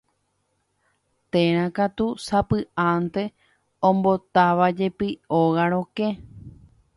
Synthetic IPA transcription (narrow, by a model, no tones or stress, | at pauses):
t̪ẽɾ̃ãkat̪usapɨʔãnt̪e̞ | õmbo̞t̪aʋad͡ʒe̞pɨoɣaɾ̃õ̞kẽ